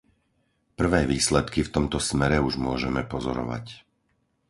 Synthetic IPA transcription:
pr̩ʋɛːʋiːslɛt̪kift̪ɔmt̪ɔsmɛɾɛuʒmʊɔʒɛmɛpɔzɔɾɔ̰ʋa̰c

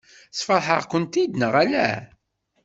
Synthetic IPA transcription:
sfəɾˤħə̰ʁkʷənt̪id̪nəʁælæ̰

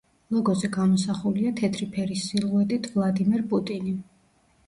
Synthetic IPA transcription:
lˠɔɡɔzɛɡamɔsaχuliat̪ʰɛt̪ʰɾipʰɛɾisːilˠuɛt̪ʼit̪ʰvlˠad̪imɛɾpʼut̪ʼini

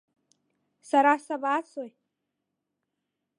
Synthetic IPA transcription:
saɾasabat͡sʰoj

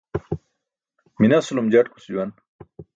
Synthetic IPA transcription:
minɐsulumd͡ʑɐʈku̥sd͡ʑuwɐn

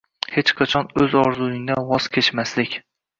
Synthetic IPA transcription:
het͡ʃqʰɑt͡ʃʰɒnɵzɒɾzʊɪnd̪awɒz̥kʲʰet͡ʃmaslɪkʲ

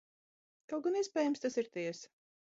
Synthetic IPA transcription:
kalˠɡɔniɛspʲɛːjamst̪asiɾt̪ʲɛɛs

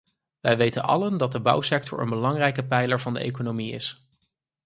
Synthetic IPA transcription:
ʋɛjʋejtənɑ̰ləndɑt̚dəbʌ̰wsɛk̚tʰɔ̰ɹə̰nbəlɑŋrɛjkəpɛjləɹvɑndə̰ʔḛjkonomiɪ̰s

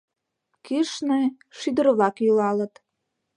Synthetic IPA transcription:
kiʃnej | ʃyd̪ə̆ɾβlɑkjylɑlə̆t̪

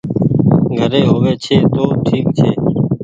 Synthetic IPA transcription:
ɡʱəɾeːɦoːʋeːt͡ʃʰeːt̪oːʈʰiːkt͡ʃʰeː

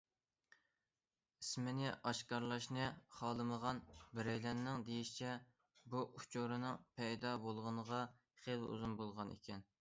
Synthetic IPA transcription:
ismɪnɪʔɑʃkɑɾlˠɑʃnɨχɑːlˠɨməʁɑnbɪɾɛjlɛnːɪŋd̪ejiʃi̥t͡ʃʰɛ | buʔut͡ʃʰoɾɨnɨŋpʰɛjd̪ɑbolˠʁənəʁɑ | χelṵzunbolˠʁɑnḛkʲʰɛn

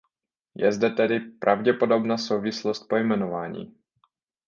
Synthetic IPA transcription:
jɛzdɛt̪ɛdɪpɾʔavɟɛpo̞do̞bnaːso̞wvɪslost̪̚po̞jmɛno̞vaːɲḭː

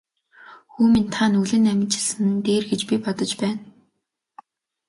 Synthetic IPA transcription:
xuːmint̪ʰanuɮɘ̆næmʲɪ̆t͡ɕɪ̆ɮsɘ̆nt̪eːrɡet͡ɕpipɔt̪ɞ̆t͡ɕpæːn

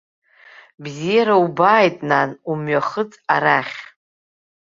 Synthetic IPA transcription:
bzijaɾaubaːjtʼnanumɥaχət͡sʼaɾaχʲ

